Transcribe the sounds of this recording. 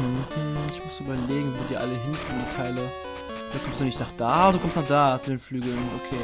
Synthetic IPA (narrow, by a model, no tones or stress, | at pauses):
m̩m̩ɪçmʊsyːbɐleːɡŋ̩voːdiːɐʔa̰ləɦɪnkɔitʰaɪlə | d̥aːkɔmstd̥uːnɪçtnaχd̥aːduːkʰɔmstnɔχd̥aːt͡sudeːnflyːɡl̩nʔokʰeː